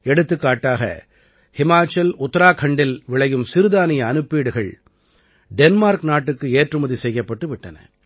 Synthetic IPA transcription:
ɛɽɯt̪ːɯkːaːʈːaːɣɐ̰ | hɪmaːt͡ʃːɐlʊt̪ːɐɾaːkʰɐɳɖɪlʋɪɭɐjɯmsɪɾɯðaːnɪjɐːnɯpːiːɽɯɣɐɭ | ɖɛnmaːɾknaːʈːɯkːɯeːʈrɯmɐðisɛjːɐpːɐʈːɯʋɪʈːɐnɐ̰

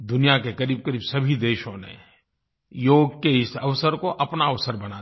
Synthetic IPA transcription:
d̪ʊnijakekɐɾiːb̚kəɾiːbsɐbʱid̪eːʃõnḛ | joːɡkeɪsɐʋsəɾkoʔɐpnaɐʋsəɾbɐna

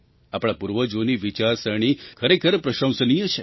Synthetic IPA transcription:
apɽ̃apuɾʋəd͡ʒoniʋit͡ʃaɾsəɳ̃ikʰəɾekʰəɾpɾəʃə̃w̃sənijət͡ʃʰe

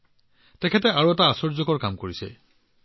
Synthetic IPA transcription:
tɛkʰɛtɛʔaɹuɛtaːsɔɹzɔkɔɹkamkoɹisɛ̰

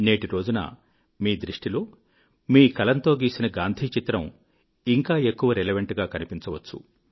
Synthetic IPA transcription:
ne̞ːʈiɾo̞ːd͡ʒunɐ̰ | miːd̪ɾiʂʈilo̞ː | miːkɐlɐnt̪o̞ːɡiːsinɐɡaːnd̪ʱiːt͡ʃit̪ɾɐm | iŋkaːe̞kːuʋɐɾeleʋɐɳʈɡaːkɐnipint͡ʃɐʋɐt͡ʃːṵ

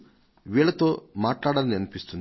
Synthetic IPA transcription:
ʋiːɭɐt̪o̞ːmaːʈlaːɽaːlɐniɐnipist̪un

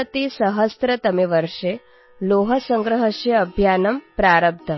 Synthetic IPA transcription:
ɐt̪isɐɦɐst̪ɾɐt̪ɐmiʋɐɾʂe | loːɦɐsɐŋɡɾɐɦɐʃjɐːbʱjaːnɐmpɾaːɾɐb̚t̪ʰɐ

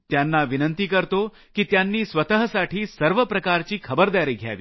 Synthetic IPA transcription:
t̪janːaʋinənt̪iːkəɾt̪o | kit̪janːiːsʋət̪əɦəsaʈiːsəɾʋəpɾəkaɾt͡ɕiːkʰəbəɾd̪aɾiːɡʱja̰ʋḭː

